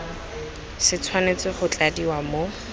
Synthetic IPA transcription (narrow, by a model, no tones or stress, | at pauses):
sɪt͡sʰwanet͡sɪχʊt͡ɬadiwamo